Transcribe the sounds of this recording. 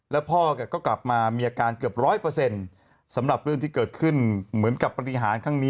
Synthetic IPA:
lɛ˦˥wpʰɔː˥˩ka˨˩kɔː˥˩kla˨˩p̚maː˧miː˧ʔaː˧kaː˧nkɯ˨˩əp̚ɾɔː˦˥jpɤː˧se˧n | sa˩˦mɾa˨˩p̚ɾɯ˥˩ŋt̪iː˥˩kɤː˨˩t̪̚kʰɯ˥˩nmɯ˩˦ənka˨˩pːɾa˧t̪i˨˩ɦaː˩˦nkʰa˦˥ŋniː˦˥

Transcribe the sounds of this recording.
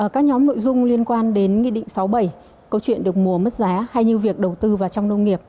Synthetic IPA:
ʔəː˧˩kaː˦˥k̚ɲɔ˨˦mno̰˧˨jzʊ˧ŋ͡mli˧ənkwaː˧nɗe˨˦nŋḭ˧˨ɗḭ˧˨ŋ̟sa˨˦wɓə˧˩j | kə˧wt͡ɕwḭ˧˨ənɗɨ˨˩ək̚mu˨˩əmə˦˥t̚zaː˨˦ha˧jɲɨ˧wvi˨˩ək̚ɗə˨˩wt̪ɨ˧vaː˨˩t͡ɕɔ˧wŋ͡mnə˧wŋ͡mŋi˨˩əp̚

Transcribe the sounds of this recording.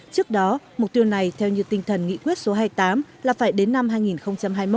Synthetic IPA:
t͡ɕɨ˦˥ək̚ɗɔ˨˦mʊ˨˩k͡p̚t̪i˧əwna˨˩jt̪ʰɛ˧wɲɨ˧t̪ï˧ŋ̟t̪ʰə˨˩nŋḭ˧˥˨kwi˦˥ət̚so˨˦ɦaː˧jt̪aː˨˦mlaː˨˩faː˧˩jɗe˨˦nːa˧mhɦaː˧jŋi˨˩nxə˧wŋ͡mt͡ɕa˧mɦaː˧jmo˦˥

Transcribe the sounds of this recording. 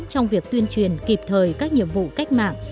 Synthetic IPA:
t͡ɕɔ˧wŋ͡mvi˨˩ək̚t̪wənt͡ɕwi˨˩ənki˨˩p̚t̪ʰəː˨˩jkaː˦˥k̚ɲḭ˧˨əmvṵ˧˨ka˦˥jk̟̚ma̰ː˧˨ŋ

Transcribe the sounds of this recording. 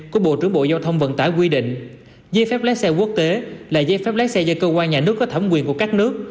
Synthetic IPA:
ku˧˩əɓo̰˧˨t͡ɕɨ˨˩əŋɓo̰˧˨zaː˧wt̪ʰə˧wŋ͡mvə̰˧˨nt̪aː˧˩jkwi˧ɗḭ̈˧˨ŋ̟ | zə˧fɛ˦˥p̚lɛː˦˥k̚sɛ˧ku˦˥ək̚t̪e˨˦laː˨˩zə˧fɛ˦˥p̚lɛ˦˥sɛ˧zəː˧kəː˧kwaː˧nɲaː˨˩nɨ˦˥əkːɔ˨˦t̪ʰə˧˩ŋ͡mkwi˨˩ənku˧˩əkaː˦˥k̚nɨ˦˥ək̚

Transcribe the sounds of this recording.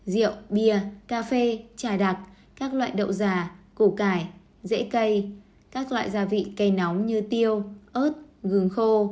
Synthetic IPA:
zḭ˧˨əwɓi˧˩əkaː˧fe˧t͡ɕaː˧˩ɗa˨˩t̚ | kaː˦˥k̚lwa̰ː˧˨jɗə̰˧˨wzaː˨˩ko˧˩kaː˧˩j | zḛ˧˥kə˧j | kaː˦˥k̚lwa̰ː˧˨jzaː˧˩vḭ˧˨ka˧jnɔ˨˦wɲɨ˧t̪i˧əwʔo˦˥t̚ɣɨ˨˩əŋxo˧

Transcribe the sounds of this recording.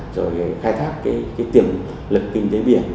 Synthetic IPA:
zo˨˩jxaː˧jt̪ʰaː˦˥k̚ːaː˨˦jkaː˨˦jt̪i˧˩əm | lɨ˨˩kkï˧ŋ̟t̪e˨˦ɓi˧˩˨ən

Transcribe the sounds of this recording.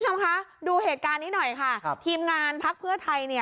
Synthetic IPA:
t͡ɕʰo˧mkʰa˦˥duː˧heː˨˩t̪̚kaː˧nːiː˦˥nɔ˨˩jkʰa˥˩t̪ʰiː˧mŋaː˧npʰa˦˥k̚pʰɯ˥˩ɐt̪ʰa˧jni˥˩

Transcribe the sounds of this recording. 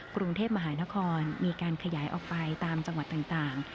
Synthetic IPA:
kɾu˧ŋt̪ʰeː˥˩p̚ma˧ɦaː˩˦na˦˥kʰɔː˧nmiː˧kaː˧nkʰa˧jaː˩˦jʔɔ̰ː˨˩k̚pa˧jt̪aː˧mt͡ɕa˧ŋwa˨˩t̪ːaː˨˩ŋt̪aː˨˩ŋ

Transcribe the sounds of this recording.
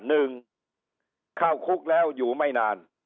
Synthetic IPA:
nɯ˧ŋ | kʰaː˥˩wkʰu˦˥˩k̚lɛː˦˥˩wjuː˨˩ma˥˩jnaː˧n

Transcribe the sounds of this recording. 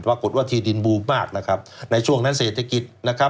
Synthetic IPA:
paː˧˩ko˨˩t̪̚waː˥˩t̪ʰiː˧di˧nbuː˧maː˥˩k̚na˦˥kʰɾa˦˥p̚na˧jt͡ɕʰu˥˩əŋna˦˥nseː˨˩t̪ʰːa˧ki˨˩t̪̚na˦˥kʰa˦˥

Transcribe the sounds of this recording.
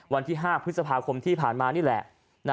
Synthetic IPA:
wa˧nt̪ʰiː˥˩ɦaː˥˩pʰɾɯ˦˥t̪̚sa˧pʰaː˧kʰo˧mt̪ʰiː˥˩pʰaː˨˩nmaː˧niː˥˩lɛ̰˨˩ | n

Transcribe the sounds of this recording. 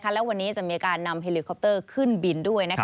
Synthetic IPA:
kʰa˥lɛ˦˥wa˧nːiː˦˥t͡ɕa˨˩ʔmiː˧ʔa˧kaː˧nːa˧mɦe˧li˧kʰɔ˦p̚t̪ɤː˥˩kʰɯ˥˩nbi˧ndu˥˩əjna˦˥

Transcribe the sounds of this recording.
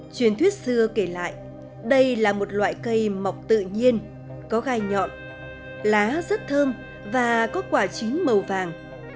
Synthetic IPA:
t͡ɕwi˨˩ənt̪ʰwi˦˥ət̚sɨ˧əke˧˩la̰ː˧˨jʔ | ɗə˧jlaː˨˩mo˨˩t̚lwa̰ː˧˨jkə˧jma˨˩wk͡p̚t̪ɨ̰˧˨ɲi˧ən | kɔ˨˦ɣaː˧jɲɔ̰˧˨n | laː˨˦zə˦˥t̚t̪ʰəː˧m | vaː˨˩kɔ˨˦kwaː˧˩t͡ɕï˨˦ŋ̟mə˨˩wvaː˨˩ŋ

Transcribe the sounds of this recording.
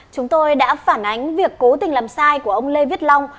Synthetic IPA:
t͡ɕʊ˨˦ŋ͡mt̪o˧jɗa̰ː˧˥faː˧˩nʔa˨˦jŋ̟vi˨˩əkːo˨˦t̪ï˨˩ŋ̟laː˨˩msaː˧jku˧˩əʔə˧wŋ͡mle˧vi˦˥t̚la˧wŋ͡m

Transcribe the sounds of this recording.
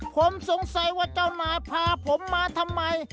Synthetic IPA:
kʰo˧˥mso˨˦ŋsa˨˦jwaː˧˩t͡ɕaː˧˩wnaː˨˥jpʰaː˧pʰo˨˦mːaː˧t̪ʰa˧mːa˧j

